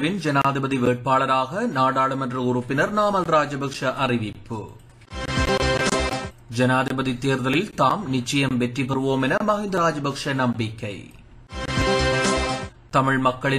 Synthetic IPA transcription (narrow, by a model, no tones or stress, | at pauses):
ɾɪnd͡ʒɐnaːðɪbɐðiʋeːʈ̚paːɭɐɾaːɣɐnaːɽaːɭɐmɐndrɯʊrʊpːɪnɐɾnaːmɐlɾaːd͡ʒɐbɐkʂɐʔɐrɪʋɪpːɯ̰ | d͡ʒɐnaːðɪbɐðit̪ːeːɾðɐlɪlt̪aːmnɪt͡ʃːɐjɐmʋɛʈripɐɾɯʋoːmɛnɐmɐɣɪnd̪ɐɾaːd͡ʒɐbɐkʂɐnɐmbɪkːɐɪ | t̪ɐmɪɻmɐkːɐɭɪ